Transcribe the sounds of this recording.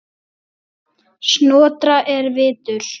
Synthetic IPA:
snɔːt̪ɾaʔɛɾvɪːt̪ʏl̥

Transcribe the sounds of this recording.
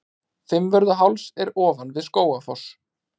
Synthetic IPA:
fɪmvœɾðʏɦawlsɛɾɔːvanvɪðskoːwafɔs

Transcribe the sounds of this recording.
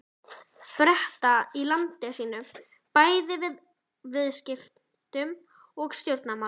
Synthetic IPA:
pɾɛht̪ailant̪ɪsiːnʏm | paːjðɪvɪð | vɪðscɪf | t̪ʏm | ɔɣst̪jowɾt̪nama

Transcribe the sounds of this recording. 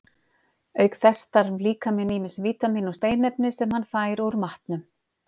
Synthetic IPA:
œɥkθɛst̪aɾliːkamɪniːmɪsviːt̪amiːnɔst̪eːjnɛpnɪsɛmhanfaːjɪɾowɾʏmaht̪nʏm

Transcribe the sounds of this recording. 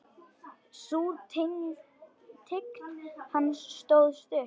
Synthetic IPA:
suːt̪ʰɪŋ | t̪ʰɪk̪hansːt̪oːwðst̪ʏr

